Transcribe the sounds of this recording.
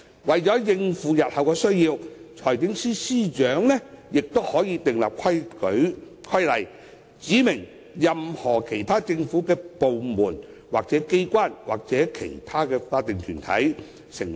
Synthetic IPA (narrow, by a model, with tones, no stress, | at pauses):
wɐ˨jt͡ʃɔː˨˥jɪ˧ŋfuː˨˧jɐ˨t̚hɐ˨wkɛː˧sɵ˥ɥjiː˧wt͡ʃʰɔː˨˩jk̪ɪ˨˥ŋsiː˥siː˥t͡ʃœː˨˥ŋlɛ˥jɪ˨k̚t̪o˥whɔː˨˥jiː˧t̪ɪ˨ŋla̰ː˨p̚kʰɐ˥jkɵ˨˥ɥ | kʰɐ˥jlɐ˨j | t͡siː˨˥mɪ˨˩ŋ | jɐ˨mhɔː˨˩kʰe˨˩jt̪ʰaː˥t͡sɪ˧ŋfuː˨˥kɛː˧po˨wmuː˨˩n | waː˨k̚t͡sɛː˨˥ke˥jkʷaː˥nwaː˨k̚t͡sɛː˨˥kʰḛ˨˩jt̪ʰaː˥kɛː˧faː˧t̪ɪ˨ŋkʰyː˨˩nt̪ʰɐ̰˨˥j | sɪ˨˩ŋ